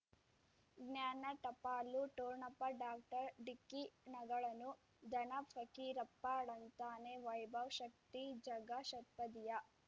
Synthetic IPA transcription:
ɡnjaːnɐʈɐpaːlːuʈoːɾɳɐpːɐɖaːk̚ʈɐɾɖikːinɐɡɐɭɐnu | d̪ɐnɐpʰɐkiɾɐpːaːɽɐnt̪aːneʋɐjbʱɐʋʃɐk̚t̪id͡ʒɐɡɐʃɐt̪̚pɐd̪ijɐ

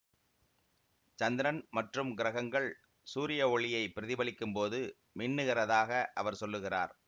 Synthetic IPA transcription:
t͡ʃɐnd̪ɪɾɐnmɐʈrɯmɡɪɾɐɣɐŋɡɐɭ | suːɾɪjɐɔɭɪjɐɪpːɪɾɪðɪbɐɭɪkːɯmpoːðɯ | mɪɳːɯɣɪrɐðaːɣɐʔɐʋɐɾsɔlːɯɣɪra̰ːɾ

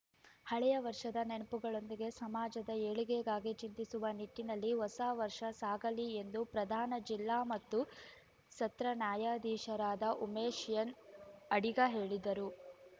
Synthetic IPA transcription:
hɐɭɛjɐʋɐɾʂɐd̪ɐnenɐpuɡɐɭo̞nd̪iɡe̞sɐmaːd͡ʒɐd̪ɐeːɭiɡeɡaːɡit͡ʃint̪isuʋɐniʈːinɐlːiɦɔsaːʋɐɾʂɐsaːɡɐlie̞nd̪upɾɐd̪ʱaːnɐd͡ʒilːaːmɐt̪ːu | sɐt̪ɾɐnjaːjaːd̪iːʃɐɾaːd̪ɐʔumeːʃjɐnɐɽiɡɐɦe̞ːɭid̪ɐɾu

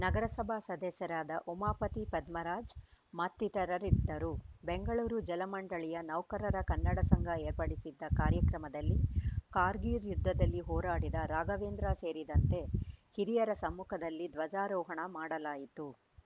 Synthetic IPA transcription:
nɐɡɐɾɐsɐbʱasɐd̪ɛsɐɾaːd̪ɐʔumaːpɐt̪ipɐd̪mɐɾaːd͡ʒmɐt̪ːit̪ɐɾɐɾid̪ːɐɾubeŋɡɐɭuːɾud͡ʒɛlɐmɐɳɖɐɭijɐnɐʋkɐɾɐɾɐkɐnːɐɽɐsɐŋɡʱɐeːɾpɐɽisid̪ːɐkaːɾjɐkɾɐmɐd̪ɐlːikaːɾɡiːɾjud̪ʱːɐd̪ɐlːiɦɔːɾaːɽid̪ɐɾaːɡɐʋeːnd̪ɾase̞ːɾid̪ɐnt̪e̞hiɾijɐɾɐsɐmːukʰɐd̪ɐlːid̪ʋɐd͡ʒaːɾɔːɦɐɳɐmaːɽɐlaːjit̪u

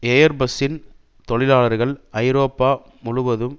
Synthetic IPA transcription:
eːjɐɾbɐsɪn | t̪ɔɭɪlaːɭɐɾɣɐɭɐɪɾoːpːaː | mʊɻʊʋɐðɯm

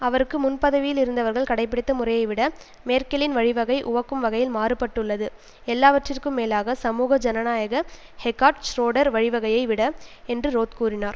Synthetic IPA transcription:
ɐʋɐɾɯkːɯmʊnpɐðɐʋɪjɪlɪɾɯnd̪ɐʋɐɾɣɐɭkɐɽɐɪpːɪɽɪt̪ːɐmʊrɐjɐɪʋɪɽɐ | meːɾkɐlɪnʋɐɻɪʋɐɣɐɪʔʊʋɐkːɯmʋɐɣɐjɪlmaːrɯpɐʈːɯɭːɐðɯ | ɛlːaːʋɐʈrɪrkɯmːeːlaːɣɐsɐmuːɣɐd͡ʒɐnɐnaːjɐɣɐ | hɛkːaːʈsɾoːɽɐɾʋɐɻɪʋɐɣɐjɐɪʋɪɽɐɛndrɯɾoːt̪kuːrɪnaːɾ

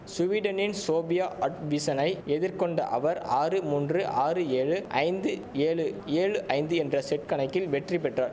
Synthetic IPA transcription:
sʊʋiːɽɐnɪnsoːbɪjaːʔɐʈʋisɐnɐɪɛðɪɾkɔɳɖɐ̰ʔɐ̰ʋɐɾaːrɯmuːndrɯʔaːrɯeːɻɯʔɐ̰ɪnd̪ɯ | eːɻɯeːɻɯʔɐɪnd̪ɯɛndrɐsɛʈ̚kɐɳɐɪkːɪlʋɛʈripɛʈraːɾ

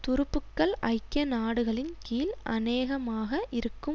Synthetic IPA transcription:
t̪ʊɾɯpːɯkːɐɭʔɐɪkːjɐnaːɽɯɣɐɭɪnkiːlʔɐ̰neːɣɐmaːɣɐʔɪɾɯkːɯ

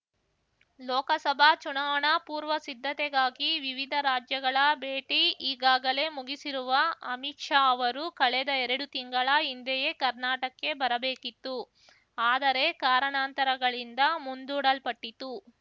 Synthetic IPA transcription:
lɔːkɐsɐbʱaːt͡ʃuɳaːʋɐɳɐpuːɾʋɐsid̪ʱːɐt̪ɛɡaːɡiʋiʋid̪ʱɐɾaːd͡ʒjɐɡɐɭɐbeːʈiiːɡaːɡɐle̞muɡisiɾuʋɐɐmiʈʂaːɐʋɐɾukɐɭɛd̪ɐɛɾɐɽut̪iŋɡɐɭɐind̪ɛjekɐɾnaːʈɐkːe̞bɐɾɐbeːkit̪ːu | aːd̪ɐɾe̞kaːɾɐɳaːnt̪ɐɾɐɡɐɭind̪ɐmund̪uːɽɐlpɐʈːit̪u

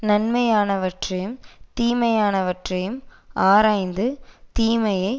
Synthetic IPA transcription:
nɐnmɐjaːnɐʋɐʈrɐjɯmt̪iːmɐjaːnɐʋɐʈrɐjɯmʔaːɾaːjnd̪ɯt̪iːmɐjɐɪ

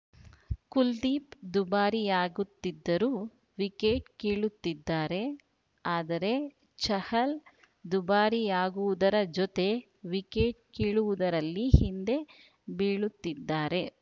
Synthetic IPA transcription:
kuld̪iːpd̪ubaːɾijaːɡut̪ːid̪ːɐɾuː | ʋikeːʈkiːɭut̪ːid̪ːaːɾe̞ | aːd̪ɐɾe̞ | t͡ʃɐhɐl | d̪ubaːɾijaːɡuʋud̪ɐɾɐd͡ʒɔt̪e̞ | ʋikeːʈkiːɭuʋud̪ɐɾɐlːihind̪e̞ | biːɭut̪ːid̪ːaːɾe̞

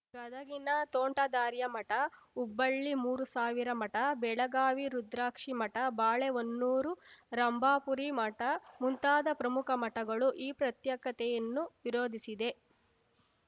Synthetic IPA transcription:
ɡɐd̪ʱɐɡinɐt̪oːɳʈɐd̪aːɾjɐmɐʈɐ | ubːɐɭːimuːɾusaːʋiɾɐmɐʈɐbɛɭɐɡaːʋiɾud̪ɾaːkʂimɐʈɐbaːɭeonːuːɾuɾɐmbʱaːpuɾimɐʈɐmunt̪aːd̪ɐpɾɐmukʰɐmɐʈɐɡɐɭuʔiːpɾɐt̪jɐkɐt̪ɛjɐnːuʋiɾoːd̪ʱisid̪e̞

